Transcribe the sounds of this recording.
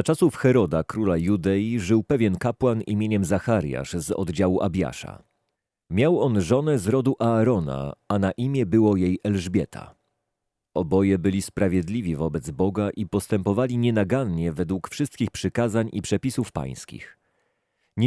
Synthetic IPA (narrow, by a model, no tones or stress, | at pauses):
zat͡ʂasufxɛɾɔd̪akɾulajud̪ɛjiʐɘwpɛvʲjɛnkapwanḭmʲjeɲɛmzaxaɾja̰ʂzɔ̰d̪d͡ʑawuʔabʲja̰ʂa̰ | mʲjawɔnʐɔnɛzɾɔd̪uʔaːɾɔna̰anaʔimʲjɛbɘwɔjejʔɛlʐbʲjɛt̪ʰa̰ | ɔbɔjɛbɘlʲispɾavʲjɛd̪lʲivʲivɔbɛd̪zbɔɡaʔipɔst̪ɛmpɔvalʲiɲɛnaɡanɲɛvɛd̪wukfʂɘst̪̚kʲixpʂɘkazaɲʔḭpʂɛpʲisufpa̰j̃skʲḭx | ɲ